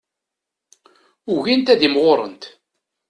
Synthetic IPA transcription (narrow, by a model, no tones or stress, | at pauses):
ʊʝint̪æðimʁoɾˤə̰nt̪